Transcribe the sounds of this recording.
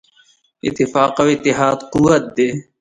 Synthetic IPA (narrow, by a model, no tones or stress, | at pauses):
ɪ̰t̪ːifaːqɐwɪt̪ːiɦaːd̪quwɐt̪̚d̪eː